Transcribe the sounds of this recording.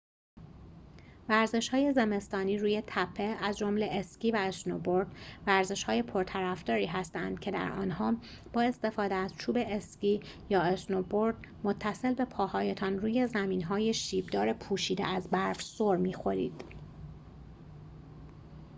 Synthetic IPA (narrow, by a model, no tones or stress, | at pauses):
væɾze̞ʃhɒːje̞ze̞me̞st̪ɒːniːɾuːje̞t̪ʰæpʰːe̞æzd͡ʒomle̞ʔesciːvæesno̰boɾd̪væɾze̞ʃhɒːje̞pʰoɾt̪ʰæɾæfd̪ɒːɾiːɦæst̪ænd̪̥̚cʰe̞d̪æ̰ɾɒ̰ːnhɒː | b̥ɒːe̞st̪e̞fɒːd̪eæz̥t͡ʃʰuːbe̞esciː | jɒːesnoboɾd̪ | mot̪ʰːæse̞lbe̞pʰɒːhɒːje̞t̪ʰɒnruːje̞zæmiːnɦɒːje̞ʃiːb̚d̪ɒːɾe̞pʰuːʃiːd̪ḛæzbæɾfsoɾmiːxo̞ɾḭːd̪̥